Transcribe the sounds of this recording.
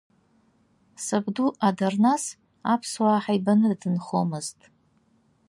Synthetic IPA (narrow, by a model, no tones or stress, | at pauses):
sabduʔadarnas | apʰswaːħajbanɨrdɨnχomɨztʼ